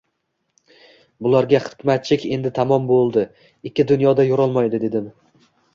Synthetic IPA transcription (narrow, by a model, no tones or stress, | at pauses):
bʊlˠaɾɡʲaχɨ̥kʲmat̪̚t͡ʃʰɪkʲe̞nd̪ɪt̪ʰamɒmbolˠd̪ɪ | ɪkʲːɪd̪ʊnjɒd̪ajoɾɒlˠmajd̪ɪd̪e̞d̪ɪm